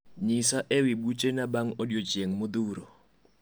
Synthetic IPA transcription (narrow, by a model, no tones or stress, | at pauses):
ɲɪsaʔewɪbut͡ʃenabaŋɔdjot͡ʃjeŋmʊd̪uɾo